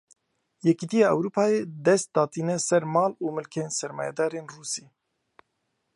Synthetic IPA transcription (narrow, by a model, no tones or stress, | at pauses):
jɛkiːt̪ijɑːɛ̰wɾuːpʰɑːjeːd̪ɛst̪̚d̪ɑːt̪iːnɛsɛɾmɑːluːmɨlkʰeːnsɛɾmɑ̰ːjɛ̰d̪ɑːɾeːnruːsiː